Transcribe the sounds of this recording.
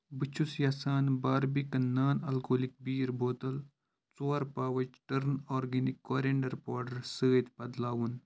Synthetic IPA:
bɨt͡ʃʰusjaːsaːnbaːɾbikɐnːaːnɐlkoːlik̚biːɾboːt̪ɐl | t͡soːɾpaːʋɐt͡ʃʈɐɾnoːɾɡenikːoːɾeːɳɖɐɾpoːɖɐɾsəːt̪pɐd̪laːwun

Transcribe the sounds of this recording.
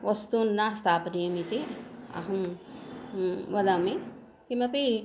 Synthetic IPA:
ʋɐst̪unːast̪ʰaːpnijɐmit̪ea̰ɦɐm | ʋɐd̪amẽ | kimepi

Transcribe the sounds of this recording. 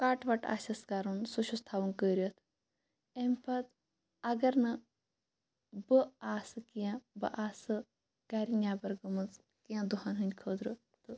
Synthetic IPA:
kaːʈʋɐʈa̰ːsɐskaːɾunsuʃʰust̪ʰaːʋunkəːɾijɐt̪ʰ | emʲpɐt͡s̪ | ɐɡɐɾnɐ | bɨaːsɨkijãbɨ̰ʔaːsɨ | ɡaːɾinʲaːbɐɾɡɐmɨt͡s | kijãd̪uɦanɦɨnʲkʰəːd̪ɾɨ | t̪ɨ

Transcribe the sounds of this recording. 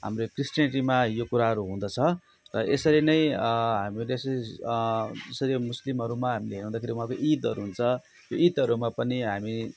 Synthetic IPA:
ɦa̰mrekrisʈjʌniʈimajokuɾaɦʌɾuɦũnd̪ʌt͡sʰʌ | rʌʔesʌɾinʌjɦamilsʌi | d͡zʌsʌɾimuslimɦʌɾumaɦamileɦeɾɦũnd̪akʰeɾiuɦãkoʔit̪ʌɾuɦunt͡sʰʌ | joit̪ʌɾumapʌniɦami

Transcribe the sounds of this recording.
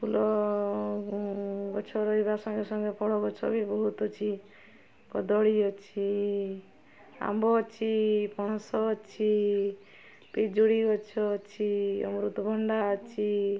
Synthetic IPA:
pʰulɔ | ɡɔt͡ʃʰɔɾɔibasɔŋɡesɔŋɡepɔɽɔkɔt͡ʃʰɔbibɔɦut̪ɔt͡ʃʰi | kɔd̪ɔɽiɔt͡ʃʰi | a̰mbɔt͡ʃʰipɔsɔt͡ʃʰi | pid͡ʒuɽiɡɔt͡ʃʰɔt͡ʃʰiɔ̰mɾut̪ɔbʱɔɳɖat͡ʃʰi

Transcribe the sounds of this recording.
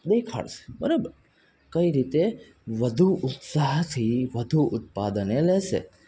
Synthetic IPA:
d̪ekʰa̰ɭʃe̥bəɾobəɾ | kəiɾit̪e | ʋəd̪ʱuʊt̪saɦt̪ʰiʋəd̪ʱuʔʊt̪̚pad̪əneleʃḛ

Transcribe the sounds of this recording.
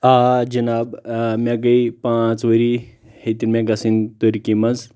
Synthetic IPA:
ad͡ʒɐnabmʲaɡɐjpat͡sʋəɾi | het̪iɾmʲaɡasint̪oɾikimaz

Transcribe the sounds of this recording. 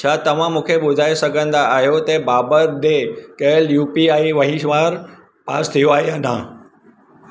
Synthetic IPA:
t͡ɕʰaːt̪ɐʋ̤ãmũːkʰeɓʊd̪ʱaːesɐɡʱə̃nd̪aːɦijot̪ɐbaːbəɾd̪ekɐɪljuːpiaːiʋɐɦĩʃʋaːɾ | pa̰ːst̪ʰijoaːɦeaːnã̰

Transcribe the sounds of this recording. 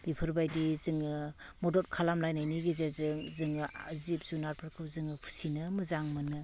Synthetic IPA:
b̥ipʰɯɾbajdizɯŋɯmɔdɔt̚kʰalamlajnajniɡizezɯzɯŋɯzip̚zunaɾpʰɯɾkʰɯwzɯŋɯpʰu̥sinɯmɯzaŋmɯnɯ

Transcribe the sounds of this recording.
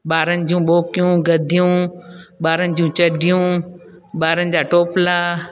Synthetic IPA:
ɓaːɾənɪ̆d͡ʑũɓoːkijũɡɐd̪ʱijũːɓaːɾənɪ̆d͡ʑũt͡ɕɐɖʱijũː | ɓaːɾənɪ̆d͡ʑaːʈoːplaː

